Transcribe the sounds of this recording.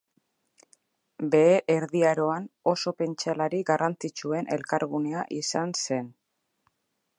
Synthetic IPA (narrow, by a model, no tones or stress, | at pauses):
be̞eʔeɾðiaɾo̞ano̞so̞pe̞nt͡ʃalaɾiɡarʔant͡sit͡ʃue̞nʔe̞̰lkaɾɣune̞aʔisanse̞n